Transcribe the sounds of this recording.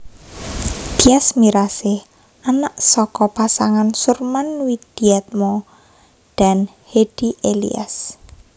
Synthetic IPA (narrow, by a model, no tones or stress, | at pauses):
d̪̥i̤asmiɾasɪh | anaʔsɔkɔpasaŋansurmanwid̪̥i̤at̪̚mɔ | d̪̥a̤n | hed̥iʔelḭa̰s